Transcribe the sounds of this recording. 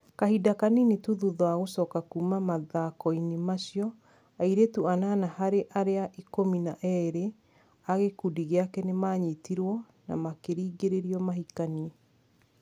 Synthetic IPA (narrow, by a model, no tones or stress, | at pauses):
kahidakaninituðuðɔaɣosɔkakumamaðakɔinemaɕjɔ | aiɾetuanaːnahaɾeʔaɾeaʔikominaʔɛɾe | aɣekudiɣeakɛnemaɲitiɾwɔ | na̰makeɾiːɡeɾeɾiɔmaɦikani